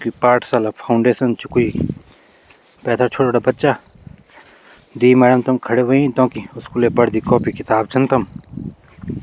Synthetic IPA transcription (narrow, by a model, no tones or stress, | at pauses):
kipaːɾʈʰsaːlapʰaʊɳɖeːsənt͡ʃukoi | pɛːt̪ʰat͡ʃʰoːɽoːɽaːbɐtːʃa | d̪iːmɛːɖəmt̪ɐmkʰɐɽeʋɐĩt̪õːkiʊskuːleːbɐɽd̪iːkɔːpikɪt̪aːb̚t͡ʃʰənt̪ɐm